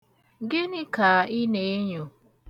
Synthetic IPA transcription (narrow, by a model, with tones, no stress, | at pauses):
ɡɪ˦nɪ˦ka˨ɪ˦ne˨˦ɲo˨